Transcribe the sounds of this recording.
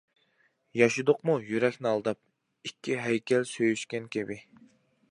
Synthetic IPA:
jɑʃud̪ʊqmujyɾɛkʲnɪɑlˠd̪ɑp̚ | ikʲʰːiɦɛjkʲʰɛlsøjyʃkʲɛnkʲʰebɪ

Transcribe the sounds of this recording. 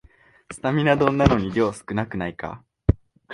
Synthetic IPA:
t͡sɨ̥t̪amʲinad̪õ̞nːanoɲ̟iɾʲo̞ːsɨ̥kɯ̟nakɯ̟naika̰

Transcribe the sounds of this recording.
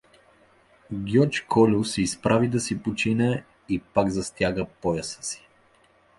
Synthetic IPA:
ɡʲjɔt͡ʃkʰɔlʲʊsiːspɾavid̪ɐsipot͡ʃinɛ | ipaɡzɐst̪ʲjaɡəpɔjəsə̥si̥

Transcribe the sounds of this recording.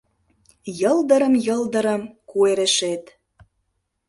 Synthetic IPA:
jɤld̪ə̆ɾə̆mjɤld̪əɾə̆mkueɾeʃet̪

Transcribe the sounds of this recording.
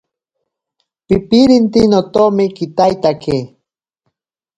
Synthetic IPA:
pipiɾint̪inot̪omɪkit̪ajt̪ake

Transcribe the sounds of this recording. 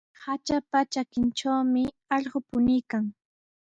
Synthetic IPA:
hat͡ʃapat͡ʃakɪnt͡ʃawmɪ | ɑʎɢopʊnɪjkaŋ

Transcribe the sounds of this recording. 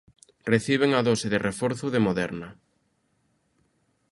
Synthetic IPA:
reθiβ̞eŋɐðɔsɪðɪrʔefɔɾθʊðemoðɛɾnɐ

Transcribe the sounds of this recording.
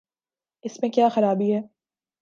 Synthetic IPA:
ɪsmẽkjaːxɐɾaːbiɦɛː

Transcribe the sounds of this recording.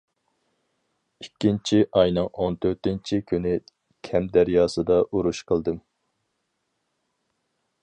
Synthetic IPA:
ikʲːint͡ʃʰiʔɑjnɨŋont̪ʰøɾt̪ɪnt͡ʃʰikʲʰynɪ | kʲʰɛmd̪æɾjɑːsɨd̪ɑʔuɾuʃqʰəlˠd̪ɨm

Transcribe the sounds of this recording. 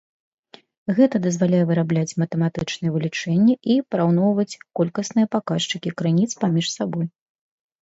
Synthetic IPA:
ɣɛt̪ɐd̪ɐzvalʲajɛvɨɾablʲat͡sʲmɐt̪ɨmat̪ɨt͡ʂnɨjɛvɨlʲit͡ʂɛnʲːɛʔipɾawnɔwvɐt͡sʲkɔlʲkɐsnɨjɐpakaʂt͡ʂɨkʲikɾɨnʲit̪spamʲiʂsaboj

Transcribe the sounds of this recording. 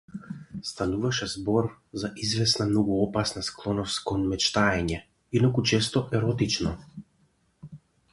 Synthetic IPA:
st̪anuvaʃɛzbɔɾ | zaʔizvɛsnamnɔɡuɔpasnasklˠɔnɔst̪kɔnmɛt͡ʃt̪aɛɲɛ | inɔkut͡ʃɛst̪ɔʔɛɾɔt̪it͡ʃnɔ

